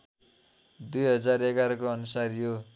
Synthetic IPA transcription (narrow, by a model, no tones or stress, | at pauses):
d̪ujɦʌd͡zareɡaɾʌkoʌnusarjo